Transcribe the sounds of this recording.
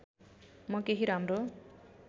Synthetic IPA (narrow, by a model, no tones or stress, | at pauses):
mokeɦiɾamɾo